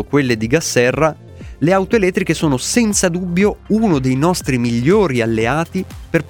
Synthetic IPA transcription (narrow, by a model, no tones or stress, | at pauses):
okwelːed̪iɡasːɛrːa | leawt̪oelɛt̪ːɾikesoːnosɛnt̪sad̪ubːjounod̪ejnɔst̪ɾimiʎːoːɾialːeaːt̪iperp